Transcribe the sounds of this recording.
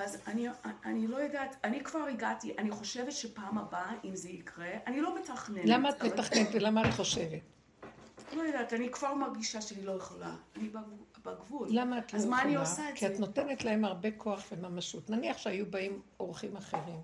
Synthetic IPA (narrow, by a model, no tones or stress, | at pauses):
azaniaanilo̞jadatanikv̥aʁiɡatiʔaniχo̞ʃe̞vetʃepaːmabaimzeikʁe̞ʔanilo̞metaχnelamaːt̪metaχnenetlamaːt̪χo̞ʃevet | lojadatanikv̥aʁmaʁɡiʃaʃeanilo̞jeχola̰anibabaɡvullamaːt̪loazmaaniosaetkiano̞tenetlaemaʁbe̞kʰoaχvemamaʃutnaniaχʃeajubaimoʁχimaχeʁim